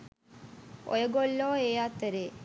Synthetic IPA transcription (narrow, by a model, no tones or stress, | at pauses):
o̰jəɡolːoːeːat̪ːəɾeː